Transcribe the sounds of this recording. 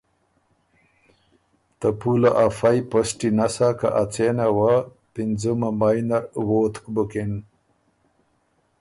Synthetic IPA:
t̪apulaʔafajpəsʈinasaka̰ʔat͡senawa | pind͡zumamajnawoːt̪kbukin

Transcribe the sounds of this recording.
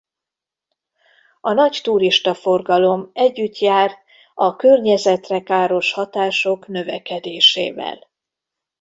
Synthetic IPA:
ɒnɒct̪uɾiʃt̪ɒfo̞rɡɒlo̞mɛɟːyt̪jaːrt̪ | ɒkørɲɛzɛt̪rɛkaːɾo̞ʃhɒt̪aːʃo̞knø̞vɛkɛd̪eːʃḛːvɛ̰l

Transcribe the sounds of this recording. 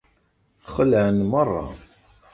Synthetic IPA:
χəlʕənmərˤːɑ̰

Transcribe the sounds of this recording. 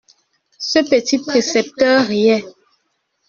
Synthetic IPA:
səpətipʁesɛp̚tœʁɛ

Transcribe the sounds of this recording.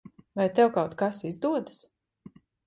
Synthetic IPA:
vajt̪ɛwkawt̪kasizd̪uɔd̪ɨs

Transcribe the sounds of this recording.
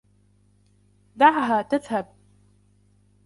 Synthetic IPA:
d̪aʕɦaːt̪aðhab̚

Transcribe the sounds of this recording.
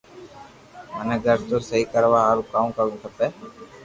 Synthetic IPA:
mənẽːɡʱəɾt̪oːsəɦiːkəɾʋaːɦaːɾũːkaːũkəɾũːt̪ʰəpeː

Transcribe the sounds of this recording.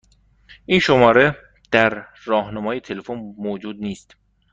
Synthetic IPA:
ʔiːnʃomɒːɾe̞ | d̪̥æɾː | ɒːhnɑmɒːjet̪ʰe̞le̞fonmoːd͡ʒuːd̪̚niːst̪

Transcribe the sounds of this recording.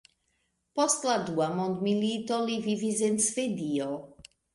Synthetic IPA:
pɔst̪lad̪uamɔ̃nd̪milit̪ɔlivivizensfed̪io

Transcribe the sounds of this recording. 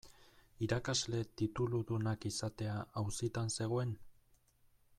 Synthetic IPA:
iɾakazle̞t̪it̪uluðunakisat̪e̞aawsit̪anse̞ɣ̞o̞e̞n

